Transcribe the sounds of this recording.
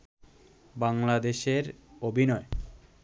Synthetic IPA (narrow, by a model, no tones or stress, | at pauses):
baŋlad̪eʃeɾobʱinɔe